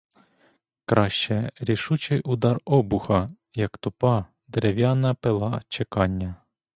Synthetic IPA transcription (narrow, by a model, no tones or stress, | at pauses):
kɾɑʃt͡ʃɛɾʲiʃut͡ʃɪjʔʊd̪ɑrɔbʊxɐ | jɐkt̪ʊpɑ | d̪eɾewjɑnɐpelˠɑt͡ʃekɑnʲːɐ